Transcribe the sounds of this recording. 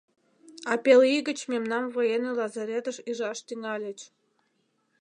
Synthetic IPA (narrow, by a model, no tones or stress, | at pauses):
ɑpʲeliɣə̆t͡ɕmʲemnɑmvojenelɑzɑɾʲet̪əʃiʒɑʃt̪yŋɑlʲə̆t͡ɕ